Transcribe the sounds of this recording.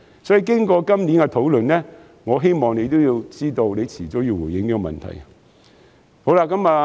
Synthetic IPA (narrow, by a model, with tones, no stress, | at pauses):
sɔː˨˥ji˨˧kɪ˥ŋkɔː˧kɐ˥mniː˨˥nkɛ˧t̪ʰo˨˥wlɵ˨nlɛː˥ | ŋɔː˨˧ɦe˥jmɔː˨˩ŋne˨˧jt̪o˥wjiː˧wt͡siː˥t̪o˧wne˨˧jt͡sʰiː˨˩t͡so˥wjiː˧wu˨˩jɪ˨˥ŋni˥kɔ˧˨mɐ̰˨nt̪ʰɐ̰˨˩j | ho˨˥wla˧˥kɐ˨˥ma˨